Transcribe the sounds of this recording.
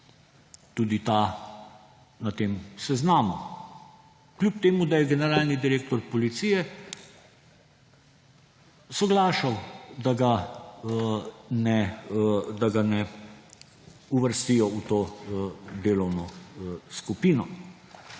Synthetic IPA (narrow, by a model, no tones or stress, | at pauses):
t̪uːd̪it̪aː | nat̪eːmsɛznaːmu | klʲup̚t̪eːmud̪ajɛɡɛnɛɾaːlnid̪iɾeːk̚t̪ɔɾpɔlit̪sijɛ | sɔɡlaːʃawd̪aɡa | nɛ | d̪aɡanɛ | uʋəɾst̪ijɔut̪oː | d̪eːlɔwnɔskupiːnɔ